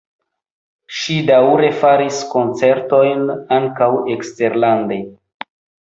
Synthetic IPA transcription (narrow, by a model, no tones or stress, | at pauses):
ʃidawɾe̞faɾisko̞nt͡se̞ɾto̞jnaŋkawekste̞ɾlande̞